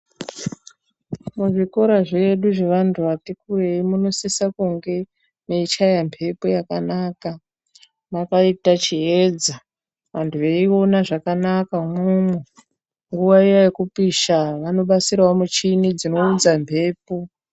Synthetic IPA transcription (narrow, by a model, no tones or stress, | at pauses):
muʐiko̞ɾaʐeɗuʐe̞ʋantʰuʋatikureimuno̞sesakuŋɡe̞ | meit͡ʃajampʰe̞pojakanaːka | makaitat͡ʃiɦeːd͡za | ʋantʰuʋeio̞naʐakanakamumu | ŋɡuʋaijajekupiʃaʋano̞ɓasirwomut͡ʃinid͡zino̞ud͡zampʰe̞ːpo